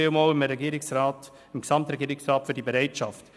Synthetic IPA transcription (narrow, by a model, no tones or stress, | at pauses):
elmolɪmɾɛɡiːɾɪksɾaːt | ɪmksɑmtɾɛɡiːəɾɪksɾɑːtfʏdibeɾɛɪtʃɑft